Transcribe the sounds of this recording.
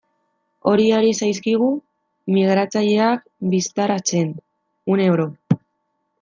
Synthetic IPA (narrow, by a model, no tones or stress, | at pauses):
o̞ɾioɾisajskiɣ̞u | miɣ̞ɾat͡saʎe̞ak̚ | bist̪aɾat͡se̞n | unewɾo